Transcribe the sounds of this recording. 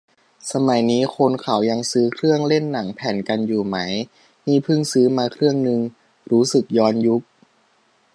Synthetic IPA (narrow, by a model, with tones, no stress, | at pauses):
sa˧ma˨˩˦jniː˦˥kʰo˧nkʰa˨˩˦wja˧ŋsɯː˦˥kʰɾɯ˥˩əŋle˥˩nːa˩˦ŋpʰɛː˩˦nka˧njuː˨˩ma˦˥j | niː˥˩pʰɯ˥˩ŋsɯː˦˥maː˧kʰɾɯ˥˩əŋnɯ˧ŋ | ɾuː˦˥sɯ˨˩k̚jɔː˧nju˦˥k̚